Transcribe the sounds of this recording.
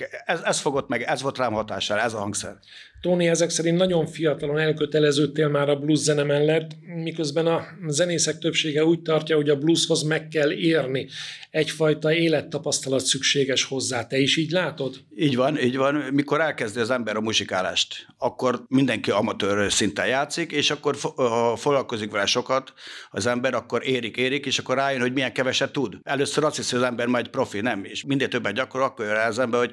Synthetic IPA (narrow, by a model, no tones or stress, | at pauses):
ɛzɛsfo̞ɡo̞t̪ːmɛɡɛzʋo̞lt̪raːmhɒt̪aːʃɛlɛzɒɦɒŋɡsɛ̰r | t̪oːniɛzɛksɛɾint̪nɒɟo̞ɱfijɒt̪ɒlo̞nɛlkø̞t̪ɛlɛzøːt̪ːeːlmaːɾɒbluzzɛnɛmɛlːɛt̪ːmikø̞zbɛnɒzɛneːsɛk̚t̪øpʃeːɡɛuːc̚t̪ɒrcɒho̞ɟɒblusho̞zmɛkːɛlːeːrni | ɛcfɒjt̪ɒeːlɛt̪ːɒpɒst̪ɒlɒt̪sykʃeːɡɛʃho̞zːaːt̪ɛiʃiːɟlaːt̪o̞d̪iːɟʋɒniːɟʋɒnmiko̞ɾɛlkɛzd̪iɒzɛmbɛɾɒmuʃikaːla̰ːʃt̪ | ɒkːo̞rmind̪ɛŋkiɒmɒt̪øːrsint̪ɛjaːt̪sikeːʃɒkːorfɒfoɡlɒlko̞zikʋɛlɛʃo̞kɒt̪ɒ̰zɛmbɛɾɒkːo̞ɾeːɾikeːɾikeːʃɒkːo̞raːjønho̞ɟmijɛŋkɛvɛʃɛtt̪ːud̪ɛløːsːøɾɒst̪hishojɒzɛmbɛrmɒɛcpro̞finɛmeːʃmind̪eːlt̪øbːɛd̪̚ɟɒkooɒkːorjøɾɛlzɛmbɛɦo̞ɟ